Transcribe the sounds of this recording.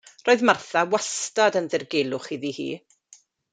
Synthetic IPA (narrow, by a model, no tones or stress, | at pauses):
roːɨðmarθawastadənðɪrɡelˠʊχiðihḭː